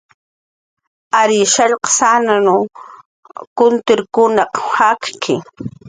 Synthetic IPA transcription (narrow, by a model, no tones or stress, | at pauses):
aɾɪʃaʎqɑ̥sananʊ | kʊnt̪ɪɾkʊnɑqhakkʰɪ̰